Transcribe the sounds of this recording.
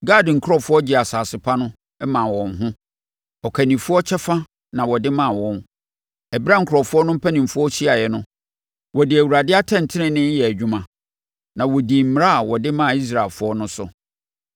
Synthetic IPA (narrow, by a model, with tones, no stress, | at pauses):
ɡa˦˨dɪ˨ŋ̩˨kʰɾɔ˦˨fʊ˦ɔ˦d͡ʑɪ˨a˨saː˨sɪ˨pʰa˦nʊ̃˦ | ɛ˦mã˨wɔ̃˨nɦʊ̃˦ | ɔ˨kʰæ˨nĩ˨fʊ˦ɔ˦t͡ɕʰɛ˦fã˦ | nã˨wɔ˨dɪ˦mã˨wɔ̃˨n | ɛ˨bɾã˦ŋ̩˨kʰʊ˨ɔ˨fʊ˦ɔ˦nʊ̃˦m̩˦pʰæ˦nĩ˨mfʊ˦ɔ˦si˦a˨jɛ˨nʊ̃˦ | wɔ˨dɪ˨æ˨wu˨ɾa˨dɪ˦a˦tʰɛ̃˦˨n̩˨tʰɪ˦nɪ̃˨nːɪ̃˦jɛ˨æ˨d͡ʑᶣu˦mã˨ | nã˨wɔ˨di˨m̩˦m˨ɾa˦a˨wɔ˨dɪ˦mã˦˨i˦s̬ɾa˨lfʊ˦ɔ˦nʊ̃˦sʊ̰˨